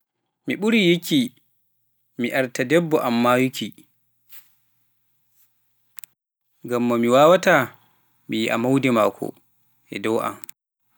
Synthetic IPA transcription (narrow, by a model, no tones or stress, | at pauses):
miɓuɾijiki | miʔaɾtadɛbːɔʔamːajukʰi | ɡamːamiwaːwata | mijiʔa̰mawdɛmaːkʰɔ̰ | ʔɛ̰dɔwʔa̰m